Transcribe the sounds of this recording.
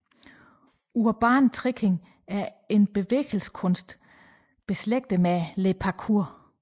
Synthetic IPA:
uɐb̥ɑ̰̈ːnt͡sʰʁiɡ̥ʰe̝ŋ | æɐ | e̝nb̥e̝ʋḛːɡ̥l̩skʰɔ̽nsd̥ | b̥e̝sleɡ̥̚d̥əmelepʰɑkʰuɐ̰

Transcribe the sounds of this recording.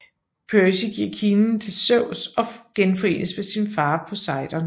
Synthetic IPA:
pʰøɐɕiɡ̥iɐ̰kʰinn̩t͡sʰe̝lsœʊ̰sɒ̽ɡ̥enfɒʁe̝̰ːnəsmesinfɑ̈ːpʰɒ̽sɑ̈ɪd̥ɐn

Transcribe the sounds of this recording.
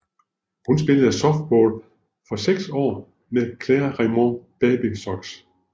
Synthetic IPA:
hunsb̥e̝ləð̩ˠæsɒ̽fd̥̚b̥ɔ̰ːl | fɒ̽seɡ̥sɒ̰ː | mekʰlɛɐʁimob̥ɛːb̥isɒɡ̥s

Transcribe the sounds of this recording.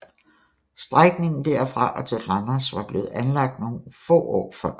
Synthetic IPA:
sd̥ʁaɡ̥ne̝ŋn̩d̥æɐfʁɑ̈ʔɒ̽t͡sʰe̝lʁɑnɐsʋɑ̈b̥le̝ːð̩ˠænlɑ̈ɡ̥̚d̥no̝ːn̩fɔ̰ːɒ̰ːfɒɐ

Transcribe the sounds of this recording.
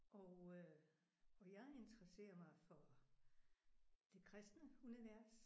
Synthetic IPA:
ʔɒ | ɒjɑ̈ɪe̝nd̥əʁɐse̝̰ːɐmɑ̈ɪfɒ | d̥e̝kʰʁɛsd̥nəuniʋæɐ̰s

